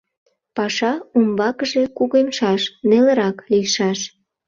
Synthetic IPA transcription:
pɑʃɑumbɑkəʒe̽kuɣemʃɑʃneləɾɑkliʃɑʃ

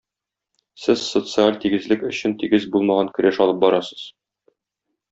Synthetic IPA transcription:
sɘz̥sot̪sɨalʲt̪iɡɘ̆zlɘkɵ̆ɕɘ̆nt̪iɡɘzbulˠmɑʁɑŋkɵ̆ɾæʃɒlˠɤp̚bɒɾɑsɤ̥z̥

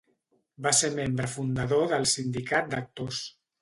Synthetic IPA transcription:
baseɾmembɾəfund̪əðoðəlˠsind̪ikat̪̚d̪ək̚t̪os

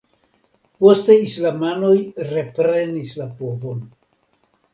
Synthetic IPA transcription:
po̞ste̞islamano̞jɾe̞pɾe̞nislapo̞vo̞n

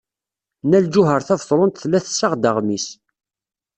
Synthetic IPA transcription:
næld͡ʒʊɦəɾθævðˤɾˤʊnt̪θlːæθsːaʁd̪əʁmis

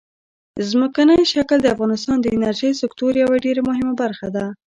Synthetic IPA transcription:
zməkanəjʃakld̪əafɣɑnɪst̪ɑnd̪əɪnaɾʒəjsɪkt̪oɾjawaɖeɾamʊɦɪmabaɾxad̪a

